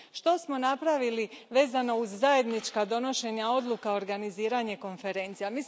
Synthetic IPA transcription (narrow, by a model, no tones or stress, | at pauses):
ʃt̪o̞smo̞napɾaʋiliʋe̞ːzano̞uzːaje̞d̪nit͡ʃkad̪o̞no̞ʃe̞ɲao̞d̪lukao̞ɾɡaniziːɾaɲe̞ko̞nfe̞ɾe̞nt̪sijamiːs